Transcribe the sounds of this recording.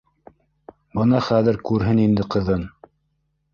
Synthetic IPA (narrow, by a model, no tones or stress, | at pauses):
bɤnɑχæðɘ̆ɾkʉɾɦɘnind̪ɘqɤ̆ðɤn